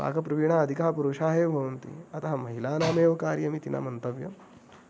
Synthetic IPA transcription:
pa̰ːkɐpɾɐʋiɳaːɐd̪ʱikɐɦpuɾuʃaːɦebʱɐwnt̪ḭɐt̪aɦɐmɐɦilaːnaːmeːʋɐkaːɾjɐmit̪ina̰mɐnt̪ɐʋjɐ̰

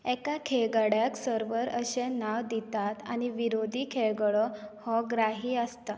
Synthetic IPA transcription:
ɛkakʰeɡəɽjaksəɾʋəɾəɕenaʋd̪it̪at̪a̰ɽ̃iʋiɾod̪ʱiːkʰeɭɡɭɔhɔɡɾaɦiːəst̪ə

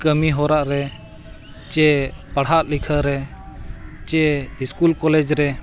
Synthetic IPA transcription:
kəmiɦɔɾaʔɾɛ | t͡ʃɛpaɽɦaʔ̪likʰəɾɛ | t͡ʃɛiskulkɔlɛd͡ʒɾɛ

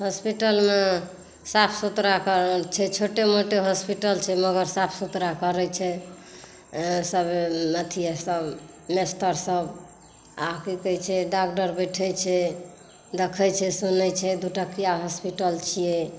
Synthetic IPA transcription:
ɦospiʈəlme | sapʰsut̪ɾakəɾt͡ʃʰɛt͡ʃʰoʈemoʈeɦospiʈəlt͡ʃʰɛməɡəɾsapʰsut̪ɾakəɾɛt͡ʃʰɛ | səbemət̪ʰijesəb | mest̪əɾsəb | akikəjt͡ʃʰɛɖakɖəɾbəjʈʰəjt͡ʃʰɛ | d̪ekʰət͡ʃʰɛsunɛt͡ʃʰɛd̪uʈəkijaɦɔspiʈəlt͡ʃʰijɛ

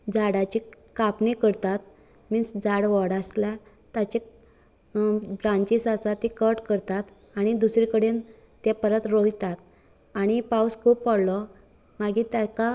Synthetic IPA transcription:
d͡zaɽat͡ɕekapnekəɾt̪at̪̚ | misd͡zaɽʋɔɽasla | t̪at͡ɕe | bɾãɲt͡ɕisasat̪ekəʈkəɾt̪at̪ | aɽ̃id̪usɾikəɽen | t̪japəɾət̪ɾojt̪at̪̚ | aɽ̃ipawskʰuːpːɔɽlɔ | maɡit̪jaka

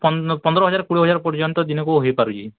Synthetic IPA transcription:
pɔnpɔnd̪ɔɾɔɦɔd͡ʒaɾkuɽiɦɔd͡ʒaɾɔpɔɾd͡ʒɔnt̪ɔd̪inɔkuɦojpaɾut͡ʃʰi

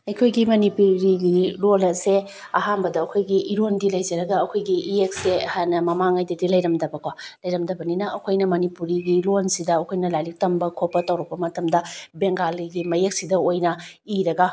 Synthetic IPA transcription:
ɐjkʰojɡimɐnipuɾiɡiɾolnɐse | ɐɦanbɐdɐːkʰojɡiʔiɾondilɐjd͡ʒɐɾɐɡɐɐkʰojɡiʔiek̚seɐhajnɐmɐmaŋajdɐdilɐjɾɐmdɐbɐkalɐjɾɐmdɐbɐninɐːkʰojnɐmɐnipuɾiɡilonsidɐɐkʰojnɐlajlik̚tɐmbɐkʰopːɐtɐwɾɐk̚pɐmɐtɐmdɐbeŋɡaliɡimɐjek̚sidɐojnɐ | iɾɐɡɐ

